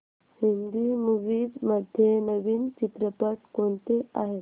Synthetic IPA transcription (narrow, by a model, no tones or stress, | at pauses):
hind̪imuʋiːdməd̪ʱjenəʋiːnt͡ɕit̪ɾəpəʈ̚koɳt̪eaɦet̪